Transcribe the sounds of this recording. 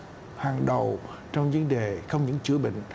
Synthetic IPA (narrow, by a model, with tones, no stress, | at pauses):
haː˨˩ŋɗə˨˩w | t͡ɕɔ˧wŋ͡mvə˧nɗe˨˩xə˧wŋ͡mɲɨ̰˧˥ŋt͡ɕɨ˧˦əɓḭ˧˨ŋ̟